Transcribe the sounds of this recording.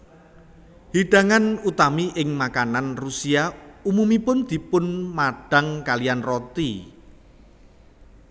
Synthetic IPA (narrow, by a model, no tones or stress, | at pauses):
hiɖ̥a̤ŋanut̪amiʔɪŋmakananrusiaumumipʊnd̪̥i̤pʊnmaɖ̥a̤ŋkalianrɔt̪i